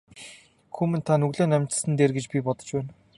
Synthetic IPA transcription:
xumɘ̆nt̪ʰanɵɣɮoːnæmʲt͡ɕ̆sɘ̆nt̪eːrɡet͡ɕpʲipɔt̪ɞ̥̆t͡ɕpæːn

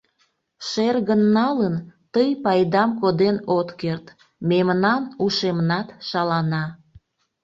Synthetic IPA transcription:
ʃerɣənːɑlənt̪əjpɑjd̪ɑmkod̪enot̪kert̪ | memnɑnuʃemnɑt̪ʃɑlɑnɑ

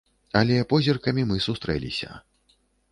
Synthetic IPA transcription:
ɐlʲɛpɔzʲirkɐmʲimɨsust̪ɾɛ̰lʲḭsʲɐ̰

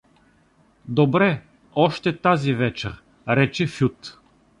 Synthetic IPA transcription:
d̪obɾɛ | ɔʃt̪ɛt̪azivɛt͡ʃɛ̰ɾ | ɾɛt͡ʃɛfʲut̪

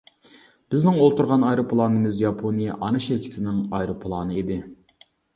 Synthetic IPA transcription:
b̥ɪznɪŋolˠt̪uɾʁɑnɑjɾupʰlˠɑnɨmɨzjɑpʰonijɛ̰ʔɑnɨʃɪɾkʲʰɪ̥t̪ʰɪnɪŋɑjɾopʰlˠɑːnɨid̪ɪ

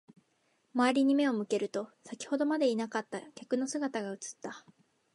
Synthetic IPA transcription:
maːɾʲiɲ̟ime̞o̞mɯ̟ke̞ɾɯ̟t̪o̞sakʲi̥ho̞d̪o̞mad̪e̞inakat̪ːakʲakɯ̟no̞sɨɡat̪aɡaɯ̟t͡sɨ̥t̪ːa

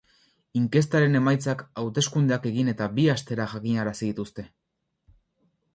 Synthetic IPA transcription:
iŋke̞st̪aɾe̞ne̞majt͡sakawt̪e̞skund̪eake̞ɣine̞t̪abiast̪e̞ɾaʝakiɲaɾasiðit̪ust̪e̞

